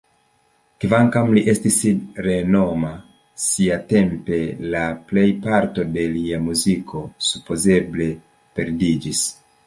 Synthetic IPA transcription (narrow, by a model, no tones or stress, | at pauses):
kvaŋkamliʔe̞stisɾe̞no̞ma | siate̞mpe̞laple̞jpaɾto̞de̞liamuzikʰo̞supo̞ze̞ble̞ | pe̞ɾdid͡ʒis